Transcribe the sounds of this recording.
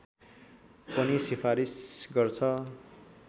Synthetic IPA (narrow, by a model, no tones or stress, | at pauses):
pʌnisipʰaɾisɡʌrt͡sʰʌ